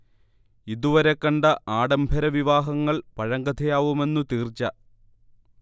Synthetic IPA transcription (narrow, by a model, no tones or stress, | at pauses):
iðuʋɐɾekːɐɳɖɐʔaːɽɐmbʱɐɾɐʋiʋaːɦɐŋːɐɭpɐɻɐŋɡɐt̪ʰɐjaːʋume̞nːut̪iːrt͡ɕːɐ